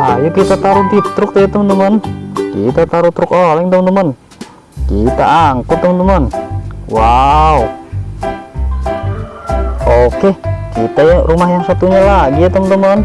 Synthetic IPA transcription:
ajukit̪at̪aɾubit̪ɾʊk̚t̪ajat̪əmənd̪umənkit̪at̪aɾut̪ɾʊkolɛŋt̪əmənd̪əman | kit̪a̰ʔaŋkʊt̪ːəmənd̪əmanwau | okekit̪ajarumaɦjaŋsat̪uɲalaɡiat̪əmnt̪əmɔn

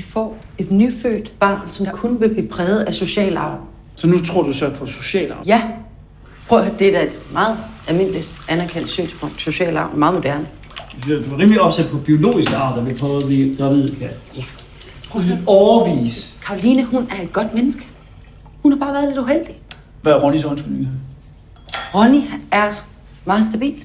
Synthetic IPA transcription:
ifɒ̰ː | e̝d̥nyfø̰ːd̥b̥ɑ̰̈ːnsɒ̽mkʰonʋe̝b̥ipʰʁɛːʊð̞̩ˠæso̝ɕɛ̰ːlɑ̈ː | sɒ̽nut͡sʰʁo̝ɐ̰d̥usɒ̽pʰɒ̽so̝ɕɛ̰ːlɑ̈jæ | pʰʁɔd̥ed̥æe̝d̥mɑ̈ːð̞̩ˠælme̝n̰lid̥ʔænæɐkʰen̰d̥sy̰ːnsb̥ʰɔ̽ŋ̰d̥so̝ɕɛ̰ːlɑ̈ʊmɑ̈ːð̩ˠmo̝d̥æɐnə̥ | d̥uɑʁiːmliɒ̽b̥sæd̥̚pʰɒ̽b̥io̝lo̝̰ːisɡ̥əɑ̰̈ːd̥ɐʋipʰʁɔːðˠliɡ̥ʁɑ̈ʋið̰ˠkʰæjæ | ɒʊɐʋḭːskʰɑ̈olinəhunæɐe̝d̥̚ɡ̥ɒ̽d̥menəsɡ̥ə | hunhɑ̈b̥ɑ̈ːʋæɐðˠle̝d̥uɦel̰d̥i | ʋæɐʁɔnisɒnsɡ̥uniɡ̥ɐ | ʁɔniæɐ | mɑ̈ːð̞̩ˠsd̥æb̥ḭːld̥

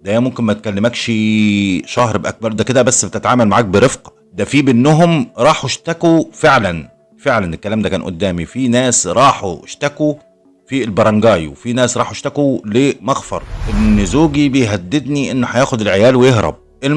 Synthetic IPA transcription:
d̪æhæmʊmkɪnmæt̪̚kælːɪmæːkʃi | ʃɑhɾbʔæ̰k̚bɑɾˤd̪æked̪æbæsːbet̪ɪt̪ʕaːmælmaʕaːk̚bɪɾefq | d̪æfiːbɪnːʊɦʊmɾˤɑːħuʃt̪ækufeʕlæn | feʕlænɪlkːælæːmd̪ækæːnʔʊ̰d̪ːæːmifinæːsɾˤɑːħuʃt̪æku | filbɑɾˤɑŋɡæːjwfinæːsɾˤɑːħoʃt̪ækulemɑɣfɑ̰ɾˤʔɪnːɪzuːɡibɪjɦæd̪ːɪd̪niʔɪnːʊħæjæːxʊd̪ɪlʕejæːlwɪjeɦɾɑ̰b̚ | ʔel

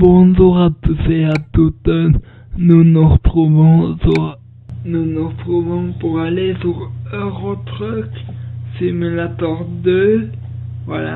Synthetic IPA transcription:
bɔ̃nzuʁat̪useat̪ut̪ɔn | nunuʁət̪χuvɔ̃sua | nunuʁt̪χuvɔ̃puʁalesyʁøʁot̪χœksimylat̪ɔʁd̪ø | vwa̰la̰

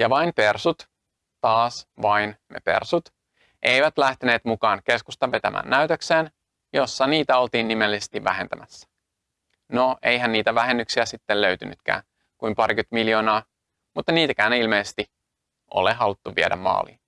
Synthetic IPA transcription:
jɑʋɑimpe̞rsut̪ | t̪ɑːsʋɑinnḛpe̞̰rsut̪ | ʔe̞jʋæt̪læht̪ene̞ːt̪mukɑːnke̞skust̪ɑʋe̞t̪æmʔæ̰ːnːæyt̪økseːn | jo̞sːɑniːt̪æo̞lt̪iːnːimelːisest̪iʋːæɦent̪æmæsːæ̥ | noʔejɦænːiːt̪æʋæɦe̞nːyksiæsit̪ːeløyt̪yny̰t̪kæ̰ːn | kuimpɑɾikyt̪miljoːnɑː | mut̪ːɑniːt̪ækæːnilmeisest̪i | ʔo̞̰leɦɑlut̪ːuʋiedæ̰mmɑ̰ːlḭ

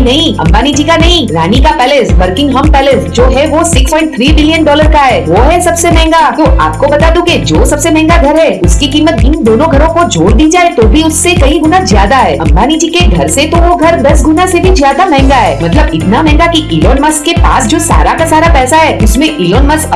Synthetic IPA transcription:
nɐɦĩɐ̰̃mbaːnid͡ʒiːkanɐɦĩɾaːnikapɛːlesʋɐɾkɪ̃ŋɡɦɐmpɛːlesd͡ʒoːɦɛʋosɪkspɔ̃ːɪ̃ɳʈ̚t̪ʰɾiːbɪlijənɖɔːləɾkaɦɛːʋoːɦɛsɐbsemɛ̃ɦŋɡat̪oːa̰ːp̚kobɐt̪aːd̪ũked͡ʒoːsɐbsemɛ̃ɦɛ̃ŋɡaɡʱɐɾɦɛːʊskikiːmət̪̚ɪnd̪oːnõɡʱɐɾõkod͡ʒoːɾd̪iːd͡ʒaːet̪oːbʱiʊsːekɐiɡʊnazjaːd̪aɦɛːɐ̰̃mbaːnid͡ʒiːkeɡʱɐɾset̪oʋoɡʱɐɾd̪ɐsɡʊnasebʱizjaːd̪amɛ̃ɦŋɡaɦɛːmɐt̪ləbɪt̪namɛ̃ːŋɡakiʔɪːloːnmɐskːepa̰ːsd͡ʒoːsa̰ːɾakasaːɾapɛːsaɦɛːʊsmẽʔɪːloːnmɐsɐ

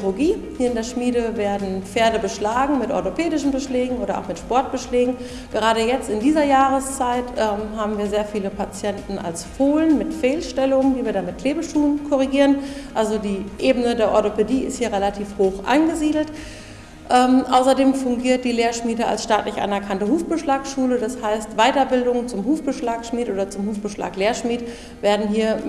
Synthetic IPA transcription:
loɡiːhiːɐɪndeːɐʃmiːdəveːɐdn̩p͡feːɐdəbəʃlaːɡŋ̩mɪtʔɔ̰ɐtopʰeːdɪʃn̩bəʃlɛːɡŋ̩ʔoːɾɐʔa̰ʊxmɪtʃpɔɐt̚b̥əʃlɛːɡŋ̩ | ɡ̥əʁ̞aːɾəjɛt͡stɪndiːzɐjaːʁ̞əst͡saɪtʰʔɛːmɦaːbm̩viːɐzeːɐfiːləpʰat͡sjɛntn̩a̰lsfoːlənmɪtfeːlʃtɛlʊŋəndiːviːɐɾanmɪt̚kl̥eːbəʃuːnkʰɔʁ̞iɡiːʁənʔalzodiːʔeːbənədeːɐʔɔɐtopediːɪ̰sthiːɐʁɛlatʰiːfhoːxʔa̰nɡəziːdl̩t | ʔɛmʔaʊsɐdeːmfʊŋɡiːɐt̚d̥iːleːɐʃmiːdəa̰lsʃtaːtlɪçʔa̰nɛɐkʰantəhuːfb̥əʃlaːkʃuːlədashaɪstv̥aɪtɐbɪldʊŋt͡sʊmɦuːfb̥əʃlaːkʃmiːtʔoːdɐt͡sʊmhuːfb̥əʃla̰ːkleːɐʃmiːt | veːɐdn̩ɦiːɐ

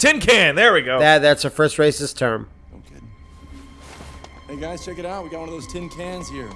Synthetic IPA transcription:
tʰɪ̃nkʰæ̃nðə˞wiɡoʊæt̚ðætsɨfɜ˞st̚ɹeɪsɨstʰɜ̃˞m | oʊkʰe | eɡaɪz̥t͡ʃʰɛkɨɾaʊt̚wiɡɑt̚wʌ̃nʌvðoʊz̥tʰɪ̃nkʰæ̃nz̥hiɹ

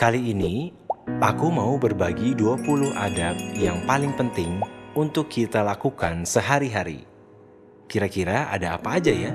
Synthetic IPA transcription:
kaliːni | ʔakumaubərbaɡiduapulʊɦa̰dap̚jaŋpalɪŋpənt̪ɪŋunt̪ʊkʰːit̪alakukansəɦaɾiɦaɾḭ | kiɾakiɾaa̰daːpaːd͡ʒaja

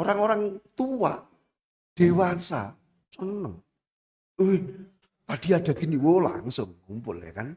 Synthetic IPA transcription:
oɾaŋoɾaŋt̪uwa̰ʔ | d̥e̤wasa̰ | sənəŋ | ue | t̪ad̥i̤aɖ̪̥ä̤ɡ̥i̤niwola̰ŋsʊŋːumpʊlḛkan

